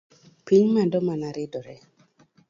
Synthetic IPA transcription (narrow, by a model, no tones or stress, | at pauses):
piɲmadɔmanaɾɪdɔɾɛ